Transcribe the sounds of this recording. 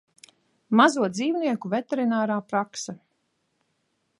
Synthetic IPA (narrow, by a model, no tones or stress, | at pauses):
mazuɔd̪ziːwniɛkuvɛt̪ɛɾinaːɾaːpɾaksa